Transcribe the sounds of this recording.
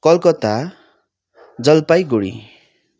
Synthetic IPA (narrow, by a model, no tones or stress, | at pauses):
kʌlkʌt̪a | d͡zʌlpajɡoɽḭ